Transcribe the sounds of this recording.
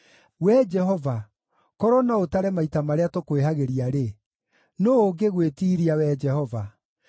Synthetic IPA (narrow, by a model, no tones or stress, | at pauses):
wɛd͡ʒɛɦɔva | kɔɾɔnaotaɾɛmaitamaɾeatokweɦaɣeɾiaɾe | nooɡeɣwetiːɾiawɛd͡ʒɛhɔva